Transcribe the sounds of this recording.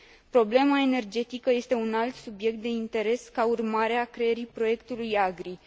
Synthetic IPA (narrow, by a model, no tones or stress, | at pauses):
pɾo̞ble̞mae̞ne̞rd͡ʒe̞t̪ikəje̞st̪e̞unalt̪subje̞k̚t̪̚d̪e̞int̪e̞ɾe̞skaurmaɾeakɾe̞jeɾipɾo̞je̞kt̪ulujaɡɾi